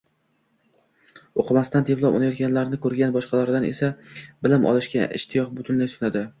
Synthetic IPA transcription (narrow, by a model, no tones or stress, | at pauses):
oqʰɨmast̪and̪ʰeplˠɒpɒ̰najɒt̪̚kʲʰanlaɾɪnɪkʰɵɾɡʲanbɒʃqʰɑlaɾd̪anesabɪlɪmʔɒ̰lˠɪʃkʲa̰ʔɪ̰ʃt̪ʰɪjɒqbʊt̪ʰʊnlajsʊnad̪ɪ